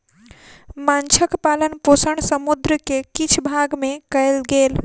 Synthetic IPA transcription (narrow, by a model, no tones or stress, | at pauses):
mant͡ʃʰəkpalənposəɳsəmud̪ɾəkekit͡ʃʰbʱaɡmekəelɡeːl